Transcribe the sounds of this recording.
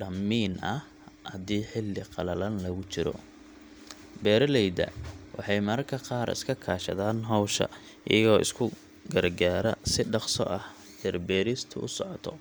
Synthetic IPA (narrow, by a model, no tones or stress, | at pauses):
ɖɐmːiːnɐh | ɐðiːħɪlːɪqɑlɐlɐnlɐɣʊt͡ʃɪɾɔ̰ | bɛːɾɐlɛjdɐ̰wɑ̰ħɑjmɐɾkʰɐqɑːɾɪ̰skʰɐkʰaːʃɐ̰ðaːnɦɔwʃɐ̰ | ʔɪ̰jɐɣɔːʔɪ̰skʰʊ | ɡɐrɡaːɾɐsɪɖɑqsɔ̰ʔɐh | d̪ɛrbɛːɾɪst̪ʰʊʔʊsɔʕɔt̪ʰɔ